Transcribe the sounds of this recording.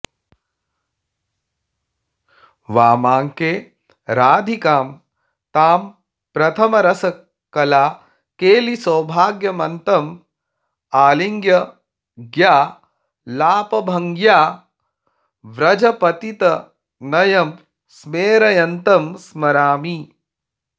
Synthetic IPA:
ʋaːmaːŋkeː | ɾaːd̪ʱikaːm | t̪aːm | pɾɐt̪ʰɐmɐɾɐsɐ | kːɐlaː | keːlisɐwbʱaːɡjɐmɐnt̪ɐm | aːliŋɡjɐ | ɡjaː | laːpɐbʱɐŋɡjaː | ʋɾɐd͡ʒɐpɐt̪it̪ɐ | nɐjɐm | smeːɾɐjɐnt̪ɐmsmɐɾaːmi

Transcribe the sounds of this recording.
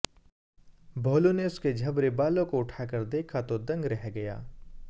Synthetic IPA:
bʱoːloneʊsked͡ʒʱɐbɾebaːlõkoʊʈʰaːkɐɾd̪eːkʰat̪od̪ɐ̃ŋɡɾɛɦɡɐja̰ː

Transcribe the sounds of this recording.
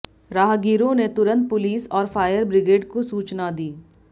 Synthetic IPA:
ɾaːɦɡiːɾõnet̪ʊɾə̃nt̪̚pʊliːsɔːɾfaːjəɾbɾɪɡeːɖkosuːt͡ʃnad̪iː

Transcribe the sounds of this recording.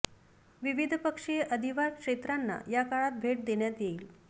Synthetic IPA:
ʋiʋid̪ʱpəkʂeʔəd̪ʱiʋaɾkʂet̪ɾanːa̰jakaɭat̪̚bʱeʈ̚d̪eɳjat̪jeiːl

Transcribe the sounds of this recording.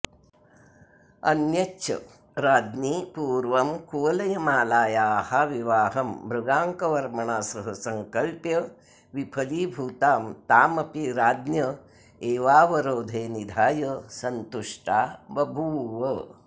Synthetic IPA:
ɐ̰njɐtːʃʰɐ̰ | ɾaːd̪nipuːɾʋɐmkuːɐlɐjɐmaːlaːjaːhaʋiʋaːɦɐmbɾuɡaːŋkɐʋɐɾmɐɳaːsɐɦɐsɐŋkɐlpjɐ | ʋipʰɐlibʱuːt̪aːmt̪aːmɐpiɾaːd̪njɐ | eːʋaːʋɐɾoːd̪ʱeːnid̪ʱaːjɐsɐnt̪uʂʈaːbɐbʱuːʋɐ

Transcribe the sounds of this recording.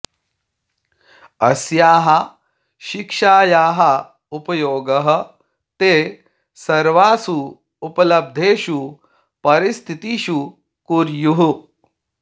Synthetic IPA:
ɐsjaːɦɐ | ʃikʂaːjaːɦɐ | upɐjoːɡɐɦɐ̆ | t̪eː | sɐɾʋaːsuː | pɐlɐb̚d̪ʱeːʃu | pɐɾist̪ʰit̪iʃu | kuɾjuɦu

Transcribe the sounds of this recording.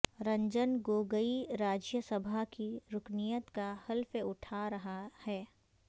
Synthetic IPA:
ɾɐ̃ɲd͡ʒənɡoːɡəiɾaːd͡ʒjəsɐbʱakiɾʊknijət̪kahɐlfeʊʈʰaɾɐɦahɛː

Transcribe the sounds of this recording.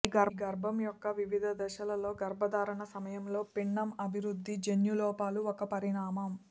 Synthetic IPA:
iɡɐɾɡɐɾbʱɐmjɔkːɐʋiʋid̪ʱɐd̪ɐʃɐlɐlo̞ːɡɐɾbʱɐd̪aːɾɐɳɐsɐmɐjɐmlo̞ːpiɳːɐmɐbʱiɾud̪ʱːid͡ʒenjulɔːpaːluɔkɐpɐɾiɳaːmɐm

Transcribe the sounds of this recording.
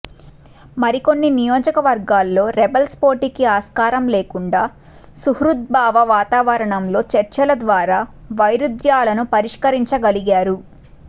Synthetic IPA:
mɐɾiko̞nːinijo̞ːd͡ʒɐkɐʋɐɾɡaːlːo̞ːɾɛbɐlspo̞ːʈikiaːskaːɾɐmle̞ːkuɳɖaː | suhɾut̪̚baːʋɐʋaːt̪aːʋɐɾɐɳɐmlo̞ːt͡ʃɐɾt͡ʃɐlɐd̪ʋaːɾaːʋɐjɾud̪jaːlɐnupɐɾiʂkɐɾiɲt͡ʃɐɡɐliɡaːɾu

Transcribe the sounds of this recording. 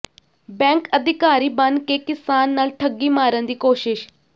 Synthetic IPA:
bɛ̃ːŋkəd̪ʱɪkaːɾiːbənd̪keːkɪsaːnːaːlʈʰəɡːiːmaːɾənd̪iːkoːʃɪʃ

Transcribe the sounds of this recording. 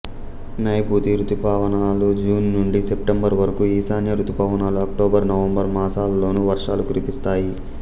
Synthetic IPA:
nɐjput̪iɾut̪upaːʋɐnaːlud͡ʒuːnːuɳɖisepʈembɐɾʋɐɾɐkuiːsaːnjɐɾut̪upaːʋɐnaːluɐk̚ʈoːbɐɾnɐʋɐmbɐɾmaːsaːlɐlo̞ːnuʋɐɾʂaːlukuɾipist̪aːji

